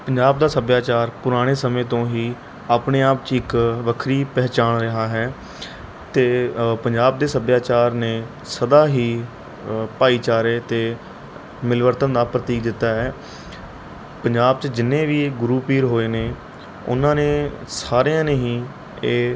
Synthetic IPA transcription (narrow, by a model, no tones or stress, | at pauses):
pəɲd͡ʒaːb̚d̪aːsəbjaːt͡ʃaːɾpʊɾaːɽ̃eːsəmẽːt̪õːɦiː | aːpneːaːpt͡ʃɪkʋəkʰɾiːpɛːt͡ʃaːnɾəɦaːɦɛː | t̪eːpəɲd͡ʒaːb̚d̪eːsəbjaːt͡ʃaːɾneː | səd̪aːɦiː | paːiːt͡ʃaːɾeːt̪eː | mɪlʋəɾt̪ənd̪aːpɾət̪iːkd̪ɪt̪ːaːɦɛː | pəɲd͡ʒaːbt͡ʃd͡ʒɪnːẽːʋiːɡɾuːpiːɾɦoːeːneː | ʊ̰nãːnẽː | saːɾejãːneːɦiː | eː